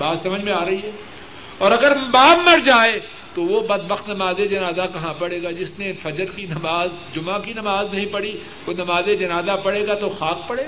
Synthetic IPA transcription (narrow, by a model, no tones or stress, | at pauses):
baːt̪sɐməd͡ʒʱmẽaːɾɐɦiɦɛː | ɔːɾɐɡəɾbaːbmɐɾd͡ʒaːe | t̪oʋobɐd̪̚bəxt̪nɐmaːzed͡ʒɐnaːzakɐɦãpɐɽeːɡaːd͡ʒɪsnefɐd͡ʒəɾkinɐmaːz | d͡ʒʊmãkinɐmaːznɐɦĩpɐɽi | ʋonɐmaːzed͡ʒɐnaːzapɐɽeːɡat̪oxaːk̚pɐɽeːɡ